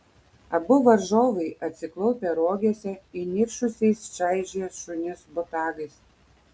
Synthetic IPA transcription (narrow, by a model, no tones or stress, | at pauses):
ɐbʊʋɐɾʒoːʋɐɪʔɐt̪ʲsʲɪklˠɐʊpʲɛɾoːɡʲesʲɛinʲiɾʃʊsʲɛɪst͡ʃɐɪʒʲiɛsʃʊnʲɪsbʊt̪ɑːɡɐɪs